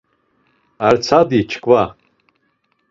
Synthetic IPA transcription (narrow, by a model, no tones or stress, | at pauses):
art͡sʰadit͡ʃʰkʼwa